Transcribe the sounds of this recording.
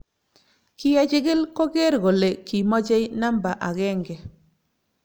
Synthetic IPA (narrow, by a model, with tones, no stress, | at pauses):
kɪ˦ja˦t͡ʃɪ˦ɡɪ˦lko˦ɡe˦ɾɡo˨le˨ki˨mɔ˦t͡ʃɛ˦jna˦mba˨ʔa˨ɡɛ˦ŋɡɛ˨